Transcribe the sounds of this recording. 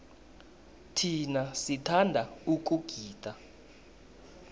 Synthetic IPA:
tʰinasitʰandʱauk̬uɡ̥ʱiːtʼa

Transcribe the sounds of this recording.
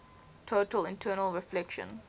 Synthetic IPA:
tʰoːtəlɪ̃ntʰɜːnəlˠɹɪflɛkʃə̰̃n

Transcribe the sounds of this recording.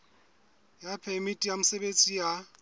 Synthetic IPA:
japʰɛmitʼijamʊsebet͡sʼija

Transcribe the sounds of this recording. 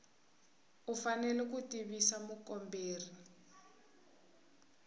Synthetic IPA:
ufanɛlɛk̬utiβisamukɔmbeːri

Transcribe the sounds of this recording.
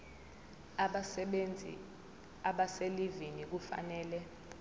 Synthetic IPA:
nd͡zʱḭ | aɓaselivinik̬ufa̰nɛːlɛ

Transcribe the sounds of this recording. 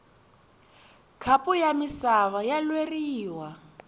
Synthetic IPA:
kʰapʼujamisaβajalweriːwa

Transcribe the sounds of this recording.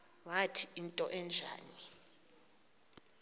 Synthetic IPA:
watʰiintʼɔʔɛnd͡ʒʱa̰ːni

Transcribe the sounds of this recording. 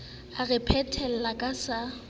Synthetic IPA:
arɛpʰɛtʰɛl̩lakʼasa

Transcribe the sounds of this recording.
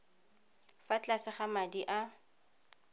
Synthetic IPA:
fat͡ɬasɪχamadiʔa

